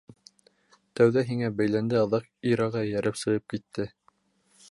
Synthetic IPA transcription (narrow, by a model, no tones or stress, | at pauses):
t̪æwðæɦiŋæbæjlænd̪ɘɑðɑqiɾɑʁɑjæɾʔɘpsɤ̆ʁɤp̚kit̪ːɘ